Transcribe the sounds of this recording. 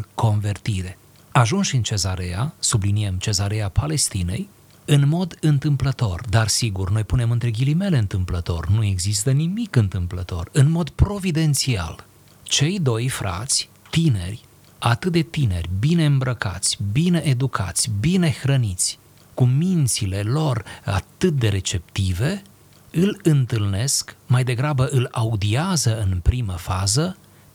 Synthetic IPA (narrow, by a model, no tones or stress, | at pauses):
ko̞nve̞rt̪iɾe | aʒunʃʲɨnt͡ʃe̞zaɾeasubliniemt͡ʃe̞zaɾe̞apʰale̞st̪ine̞̰j | ɨnmo̞d̪ɨnt̪ɨmplət̪o̞̰rd̪arsiɡurno̞jpune̞mɨnt̪ɾeɡʲilime̞le̞ɨnt̪ɨmplət̪o̞̰rnue̞ɡzist̪ənimikɨnt̪ɨmplət̪o̞̰rɨnmo̞d̪pɾo̞vid̪e̞nt̪sia̰l | t͡ʃe̞jd̪o̞jfɾa̰t̪sʲ | t̪ine̞̰rʲ | at̪ɨt̪̚d̪e̞t̪ine̞̰rʲbine̞ɨmbɾəka̰t̪sʲbine̞ʔed̪ukʰa̰t̪sʲbine̞xɾənit̪sʲ | kumint̪sile̞lo̞ra̰t̪ɨt̪̚d̪e̞ɾe̞t͡ʃe̞p̚t̪ive̞ | ɨlɨnt̪ɨlne̞skmajd̪e̞ɡɾabəʔɨlaud̪iazəɨnpɾiməfazə